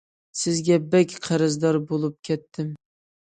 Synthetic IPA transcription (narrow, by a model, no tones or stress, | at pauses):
sɪzɡʲabakʲqʰɑɾɪzd̪ɒɾbolˠɪp̚kʲʰɛt̪ːɪm